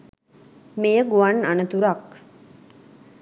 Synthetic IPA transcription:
mejəɡuʋananət̪uɾak

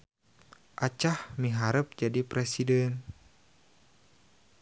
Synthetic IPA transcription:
ʔat͡ʃahmiɦaɾəp̚d͡ʒadipɾɛsidɛn

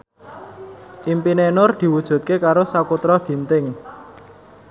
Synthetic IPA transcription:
ʔimpinenʊrd̪̥i̤wud̥ʒ̥ṳt̪̚kekaɾosakut̪ɾɔd̪̥i̤nt̪ɪŋ

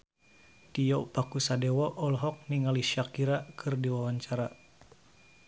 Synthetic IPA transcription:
t̪ijɔpakusadɛwɔʔɔlɦɔk̚niŋaliʃakiɾakʰɨrdiwawaɲt͡ʃaɾa

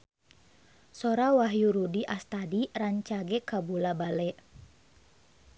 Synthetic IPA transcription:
sɔɾawaɦjuɾudiʔast̪adiraɲt͡ʃaɡɛkabulabalɛʔ

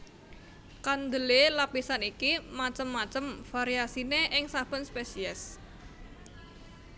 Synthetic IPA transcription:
kand̪əlelapisanikimat͡ʃəmːat͡ʃəmfaɾiasineʔɪŋsapənspesiɛs

